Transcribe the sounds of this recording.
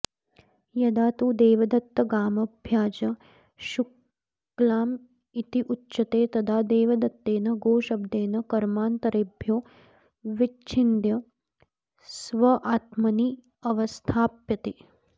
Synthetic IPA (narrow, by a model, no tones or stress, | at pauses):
jɐd̪aːt̪uːd̪eːʋɐd̪ɐt̪ːɐɡaːmɐbʱjaːd͡ʒɐ | ʃuk | laːm | it̪iʔutːʃɐt̪eːt̪ɐd̪ʱaːd̪eːʋɐd̪ɐt̪ːeːnɐɡoːʃɐbd̪eːnɐkɐɾmaːnt̪ɐɾeːbʱjoː | ʋit͡ʃʰind̪jɐ | sʋɐʔaːt̪mɐniː | ɐʋɐst̪ʰaːpjɐt̪eː